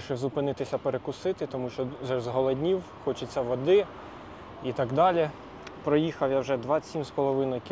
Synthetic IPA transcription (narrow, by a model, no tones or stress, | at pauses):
ʃɛzʊpɪnɪt̪ɪsʲɐpeɾekʊsɪt̪ɪt̪ɔmuʃt͡ʃɔʒɛzɦɔlˠɔd̪ʲnʲiw | xɔt͡ʃɪt͡sʲːɐʋɔd̪ɪ | it̪ɑɡd̪ɑlʲi | pɾɔjixɐwjawʒɛd̪ʋɑsʲimspɔlˠɔʋɪnɔjkʲ